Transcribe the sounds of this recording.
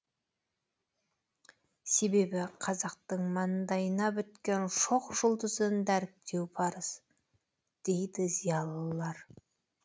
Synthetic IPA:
se̞be̞bɪqʰɑzɑq̚t̪əɴmɑnd̪ɑjənɑbʏt̪kʲe̞nʃo̞qʒʊlˠd̪əzənd̪æɾɪk̚t̪e̞wpʰɑɾəs | d̪̥e̞jd̪ɪzijɑlˠəlˠɑɾ

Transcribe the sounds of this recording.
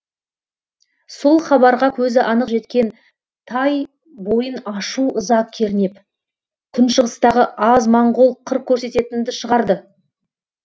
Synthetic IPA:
so̞lˠχɑbɑɾʁɑkʲʰɵzɪʔɑnəqʒe̞t̪kʲe̞n | t̪ʰɑj | bo̞jənɑʃuʔəzɑq̚kʲʰe̞ɾne̞p | kʲʰʏnʃəʁəst̪ɑʁəʔɑzmɑɴʁolˠqʰəɾ̚kʲʰːɵɾse̞t̪e̞t̪ɪnd̪ɪʃəʁɑɾd̪ə

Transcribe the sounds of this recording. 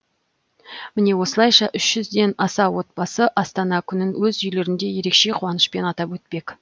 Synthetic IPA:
mɪne̞wo̞səlˠɑjʃɑʔʏʃʒʏzd̪e̞nɑsɑwo̞t̪̚bɑsəʔɑst̪ɑnɑkʲʰʏnɪnwɵzʏjle̞ɾɪnd̪e̞je̞ɾe̞kʃe̞qʰuwɑnəʃpe̞nɑt̪ɑpwɵt̪̚pe̞k

